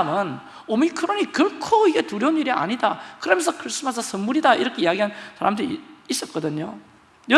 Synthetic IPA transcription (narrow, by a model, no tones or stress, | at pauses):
mɯn | omikʰɯɾoɲikɯɭkʰoiɡe̞tuɾjʌuniɾia̰ɲidakɯɾʌmjʌnsʰʌkʰɯɭs͈ɯmɦad͡ʑʌsɯnmːuɾidaḭɾʌkʰe̞ijaɡiɦansʰaɾamdɯɾiːs͈ʌt̚k͈ʌdɯɲo | jʌ